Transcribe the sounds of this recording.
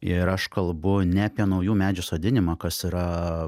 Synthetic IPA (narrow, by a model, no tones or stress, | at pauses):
ɪɾɐʃkɐlˠbʊnʲɛɐpʲiɛnɐʊjuːmʲæːd͡ʒʲusoːd̪ʲɪnʲɪmɑːkɐsiɾɐ